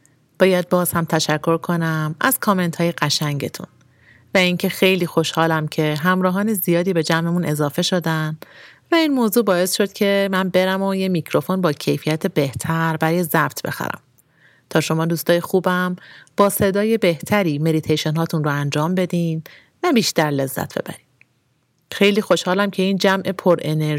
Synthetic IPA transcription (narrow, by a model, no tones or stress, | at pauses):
b̥ɒːjæd̪̚bɒːz̥hæmt̪ʰæʃækʰːo̞ɾkʰo̞næmæz̥kʰɒːme̞nt̪ʰhɒːje̞ɢæʃæŋɟet̪ʰṵn | væiːŋcʰe̞xe̞jliːxo̞ʃhɒːlæmcʰe̞ɦæmɾɒːɦɒːnezijɒːd̪iːbe̞d͡ʒæmʔemune̞zɒːfe̞ʃod̪ænvæiːnmoːzuːbɒːe̞sʃo̞d̪̥cʰe̞mænbe̞ɾæmojemicʰɾo̞fo̞nbɒːcʰe̞jfijæt̪ʰebe̞ht̪ʰæɾbæɾɒːjezæbt̪ʰbe̞̰xæ̰ɾæ̰m | t̪ʰɒːʃo̞mɒːd̪uːst̪ɒːjexuːbæmb̥ɒːse̞d̪ɒːje̞be̞ht̪ʰæɾiːme̞d̪it̪ʰejʃenɦɒːt̪ʰunroænd͡ʒɒːmbe̞d̪iːn | væbiːʃt̪æɾle̞zːæ̰t̪ʰb̥e̞̰bæ̰ɾiː | xe̞jliːxo̞ʃhɒːlæmcʰe̞iːnd͡ʒæmʔe̞pʰoɾʔe̞ne